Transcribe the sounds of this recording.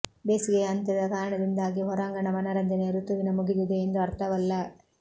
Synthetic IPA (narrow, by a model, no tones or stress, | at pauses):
beːsiɡeɐnt̪ɐd̪ɐkaːɾɐɳɐd̪ind̪aːɡiɦɔɾaːŋɡɐɳɐmɐnɐɾɐnd̪ɐneɐɾut̪uʋinɐmuɡid̪id̪eːnd̪uɐɾt̪ʰɐʋɐlːɐ